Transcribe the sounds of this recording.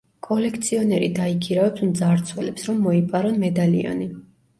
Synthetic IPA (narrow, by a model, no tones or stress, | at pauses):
kʼɔlɛkʰt̪sʰiɔnɛɾḭd̪aikʰiɾavɛpsmd̪zaɾt̪sʰwɛlɛpsɾɔmːɔipʼaɾɔnmɛd̪alḭɔ̰ni